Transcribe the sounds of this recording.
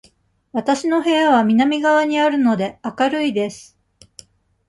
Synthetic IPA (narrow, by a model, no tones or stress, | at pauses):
βat̪aɕino̞ɦe̞jaβamʲinamʲiɡaβaɲ̟iaɾɯ̟no̞d̪e̞akaɾɯ̟id̪e̞sɨ̥